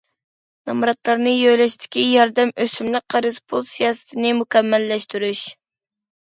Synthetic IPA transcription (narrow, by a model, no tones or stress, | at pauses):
nɑmɾɑt̪lˠɑɾnɨjøjlɛʃt̪ʰɪ̥kʲijɑɾd̪ɛmøsymlɪk̚ʲqʰɑɾɨzpʰulˠsijɑːsɨ̥t̪ʰɪnɪmukʲʰɛmːɛlːɛʃt̪yɾyʃ